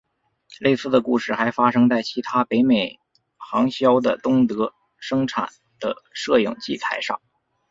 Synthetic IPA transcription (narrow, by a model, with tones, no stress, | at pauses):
le˥˧ɪsɹ̩˥˩d̪ə˩ku˥˧ʂɻ̩˥˩xa˧˥ɪfa˥ʂɤ˥ŋt͡sa˥˩ɪt͡ɕʰi˧˥t̪ʰa˥pe˧˥ɪme˨˩ɪ | xɑ˧˥ŋɕjɑ˥ʊd̪ə̰˨˩t̪ʊ˥ŋt̪ɤ˧˥ | ʂɤ˥ŋʈ͡ʂʰa̰˨˩n | d̪̥ə˦ʂɤ˥˧jʊ̰˨˩ŋt͡ɕi˥˩t͡sʰa˧˥ɪʂɑ̰˥˩ŋ